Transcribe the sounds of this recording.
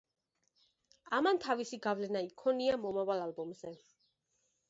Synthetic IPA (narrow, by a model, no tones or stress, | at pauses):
amant̪ʰavisiɡavlɛnaikʰɔniamɔmavalalbɔmzɛ